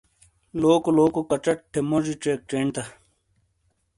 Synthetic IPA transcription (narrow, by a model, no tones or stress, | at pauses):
loːkoloːkokɐʈ͡ʂɐʈ̚ʈʰːemod͡ʑiʈ͡ʂek̚ʈ͡ʂeːɳt̪ɐ